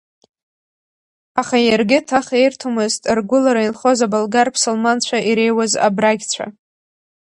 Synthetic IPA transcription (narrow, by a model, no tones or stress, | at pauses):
aχajarɡʲɪtʰaχejrtʰumɨztʼrɡʷʊlaɾainχo̞zabalɡarpʰsolmant͡ɕʷʰaʔiɾe̞jwaza̰braɡʲt͡ɕʷʰa̰